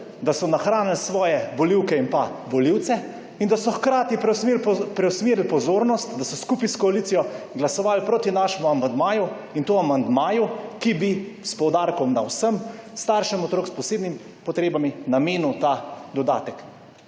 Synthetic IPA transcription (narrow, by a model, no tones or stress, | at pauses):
d̪asɔnaxɾaːnilsʋɔːjɛʋɔliwkɛinpaʋɔliwt̪sɛ | ind̪asɔxkɾaːt̪ipɾɛepɾɛwsmeːɾlpɔzoːɾnɔst̪d̪asɔskuːpiskɔaliːt̪sijɔ | ɡlasɔʋaːlpɾoːt̪inaʃɛmuamand̪maːju | int̪oːamand̪maːjukibispɔwd̪aːɾkɔmnawsəmst̪aɾʃɛmɔt̪ɾoːkspɔseːb̪nim | pɔt̪ɾeːbaminameːnuwt̪ad̪ɔd̪a̰ːt̪ɛk